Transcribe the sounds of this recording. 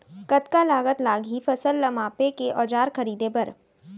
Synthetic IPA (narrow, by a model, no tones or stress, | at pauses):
kɐt̪kalaːɡət̪laːɡɦifɐsəlːɐmaːpekeʔɔːd͡ʒaːɾxɐɾiːd̪ebɐɾ